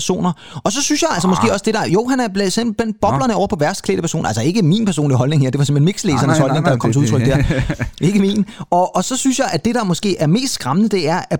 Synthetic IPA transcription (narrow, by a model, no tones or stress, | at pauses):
ɐso̝̰ːnɐ | ɒ̽sɒ̽synsjɑ̈ɪæls̬ɐmɒ̽sɡ̥e̝̰ːɒ̽sd̥e̝ɾ̥ɑ̈jo̝̰ɦænæɐb̥lesem̰b̥l̩b̥enb̥ɒ̽b̥lɐnəɒʊɐpʰɒ̽ʋæɐsd̥kʰlḛːd̥əpʰæɐso̝̰ːnælsɒe̝ɡ̥əminpʰæɐso̰ːnliɦɒ̽lne̝ŋheæɐd̥e̝ʋɑsemhenmiɡ̥sleːsɐnəshɒ̽lne̝ŋdɑʋkɒ̰ət͡sʰeuðˠʰʁœɡ̥̚d̥æɐe̝ɡ̥əmiːnɒ̽ʔːsɒ̽synsjɑ̈ɪʔæd̥e̝ɾ̥ɑ̈mɒ̽sɡ̥e̝̰ːæɐme̝̰ːsd̥sɡ̥ʁɑ̈mənəd̥e̝æɐæ